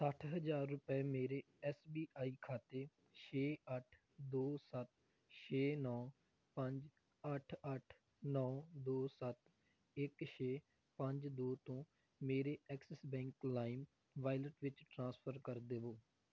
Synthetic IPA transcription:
səʈʰɦəd͡ʒaːɾːʊpɛːmeːɾeː | ɛːsbiːaːiːkʰaːt̪eː | ʃʰeːəʈʰ | d̪oːsət̪̚ | ʃʰeːnɔː | pə̃ɲd͡ʒ | əʈʰəʈʰ | nɔːd̪oːsət̪ | ɪkʃʰeː | pə̃ɲd͡ʒd̪oːt̪õː | meːɾeːɛːksɛsbɛ̃ːŋklaːɪm | ʋaːɪləʈʋɪt͡ʃʈɾãːspʰəɾkəɾd̪eːʋoː

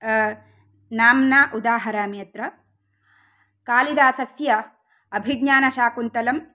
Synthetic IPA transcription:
naːmnaːʔud̪aːɦɐɾaːmjɐt̪ɾɐ | kaːlid̪aːsɐsjɐ | ɐbʱiɡɲaːnɐʃaːkunt̪ɐlɐm

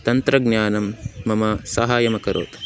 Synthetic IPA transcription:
t̪ɐnt̪ɾɐɡnjaːnɐmːɐmɐsɐɦaːjɐmɐkɐɾo̰ːt̪

